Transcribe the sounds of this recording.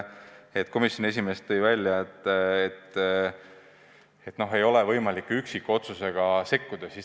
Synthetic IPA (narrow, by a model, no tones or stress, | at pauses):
et̪ːˑko̞misjone̞s̬ʲime̞st̪ːɤjvælʲjɑet̪ːˑet̪ː | et̪no̞ɦe̞jo̞levɤjmɑlikːˑyksikːuo̞t̪suse̞ɡ̥ɑse̞kːud̪̥ɑsi